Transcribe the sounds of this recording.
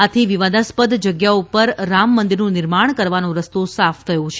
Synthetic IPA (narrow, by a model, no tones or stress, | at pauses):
at̪ʰiʋiʋad̪aspəd̪d͡ʒəɡjaupəɾːamːənd̪iɾnũnɪɾmaɳ̃kəɾʋanõɾəst̪osafʰt̪ʰəjõt͡ʃʰe